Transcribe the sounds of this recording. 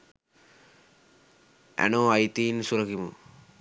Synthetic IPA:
æ̰noːajt̪iːnsuɾɐkimṵ

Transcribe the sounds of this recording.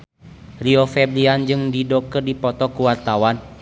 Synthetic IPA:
riɔfɛbliand͡ʒɨŋdidɔkərdipɔt̪ɔkuwart̪awan

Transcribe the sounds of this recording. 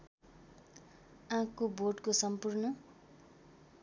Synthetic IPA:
ãkːoborɖkosʌmpurnʌ

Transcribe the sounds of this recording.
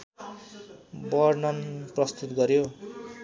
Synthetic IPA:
bʌrnʌnprʌst̪ut̪ɡʌɾjo

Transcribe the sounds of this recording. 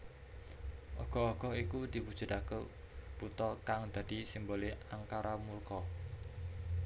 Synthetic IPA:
ʔɔɡ̥ɔ̤ɔɡ̥ɔ̤ikud̪̥i̤pud̥ʒ̥ə̤dakə | put̪ɔkaŋd̪̥a̤d̪̥isimboleaŋkaɾʔamulkɔ

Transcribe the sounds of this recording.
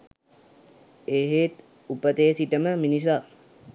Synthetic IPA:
eːɦeːt̪ | upət̪eːsiʈəməminis̬a

